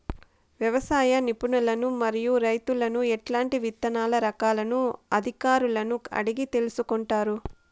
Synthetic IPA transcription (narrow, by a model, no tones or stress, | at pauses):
ʋjɐʋɐsaːjɐnipuɳɐlɐnumɐɾijuɾɐjt̪ulɐnuɛʈlaːɳʈiʋit̪ːɐnaːlɐɾɐkaːlɐnuɐd̪ʱikaːɾulɐnuɐ̰ɽiɡit̪e̞lusukɔɳʈaːɾu